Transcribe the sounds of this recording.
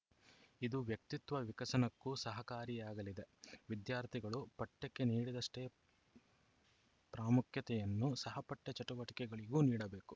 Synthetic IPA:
id̪uʋjɐk̚t̪it̪ʋɐʋikɐsɐnɐkːusɐɦɐkaːɾijaːɡɐlid̪eʋid̪jaːɾt̪ʰiɡɐɭupɐʈːekːe̞niːɽid̪ɐʂʈe̞ | pɾaːmukʰjɐt̪ɛjɐnːusɐɦɐpɐʈːɐt͡ʃɐʈuʋɐʈi̥kɛɡɐɭiɡuːniːɽɐbeːku

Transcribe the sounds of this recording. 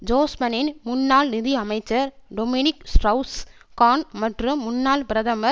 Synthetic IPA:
d͡ʒoːsmɐnɪnmʊnːaːlnɪðiɐmɐɪt͡ʃːɐɾɖomɪnɪksʈɐʊs | kaːnmɐʈrɯːʊnːaːlpɪɾɐðɐmɐ

